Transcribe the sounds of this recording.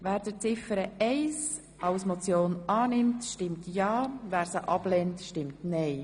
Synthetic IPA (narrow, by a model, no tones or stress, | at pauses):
væːɾd̥ət͡sɪfəɾəɛɪs | ɑʊsmot͡sjoːnɑːnɪmtʃtɪmtjɑːvæːɾsəʔɑb̥lɛntʃtɪmtnɛɪ